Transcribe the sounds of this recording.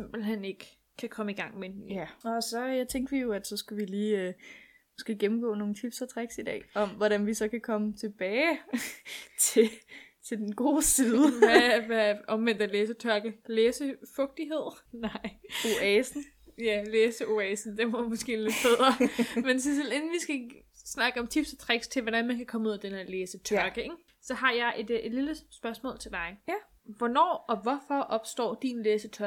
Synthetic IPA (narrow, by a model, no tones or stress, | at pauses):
semb̥l̩ɦen̰e̝ɡ̥ə | kʰːækʰɒ̽məiɡ̥ɑ̈ŋ̰menyæɒsɒ̽jt͡sʰeŋ̰ɡ̥ʋijo̝æd̥sɒ̽sɡ̥æʋiliːø | mosɡ̥e̝̰ːɡ̥emm̩ɡ̥ɔ̰ːno̝ːŋ̩t͡sʰib̥sɒt͡sʰʁaɡ̥sid̥ɛ̰ːɒ̽mʋɒɾænʋisɒ̽kʰækʰɒ̽mət͡sʰe̝b̥ɛː | t͡sʰe̝t͡sʰe̝ld̥enɡ̥o̝̰ːsiːðˠəʋʋæɒ̽mʋen̰d̥æleːsət͡sʰɶɐɡ̥əleːsəfɔ̽ɡ̥̚d̥iɦe̝ð̞̰ˠ | nɑɪ̰o̝ɛːsn̩ | jæleːsəo̝ɛːsn̩d̥enʋɐmɒ̽sɡ̥e̝̰ːle̝d̥̚b̥eð̞ˠʁɐmensiselenn̩ʋisɡ̥æ | snɑ̈ɡ̥əɒ̽mt͡sʰib̥sɒt͡sʰʁaɡ̥st͡sʰe̝lʋɒdænmænkʰækʰɒ̽məuð̰ˠæd̥enæleːsət͡sʰɶɐɡ̥əeɡ̥ | sɒ̽ɦɑ̈jɑ̈ɪʔe̝d̥liləsb̥ɶɐsmɔ̰ːlt͡sʰe̝ld̥ɑ̈ɪ | ʋɒnɒ̰ːɒ̽ʋɒfɒʔɒ̽b̥sd̥ɒ̰ːd̥inleːsət͡sʰɶɐ